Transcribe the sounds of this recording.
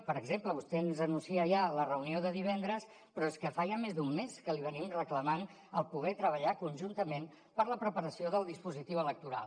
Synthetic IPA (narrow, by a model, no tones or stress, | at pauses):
pəɾəɡzempləβust̪ɛənzənunsiəʒalərəunioðəðiβ̞ɛnd̪ɾəs | pɾɔeskəfaʒamezd̪umːeskəliβ̞ənimrəkləman | əlˠpuɣɛt̪ɾəβ̞əʎakunʲʒunt̪əmen | pəɾləpɾəpəɾəsioðəlˠd̪ispuzit̪iwələk̚t̪uɾa̰lˠ